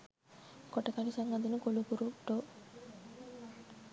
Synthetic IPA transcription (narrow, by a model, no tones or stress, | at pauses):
koʈəkalisaŋɡad̪unəkolukuɾuʈo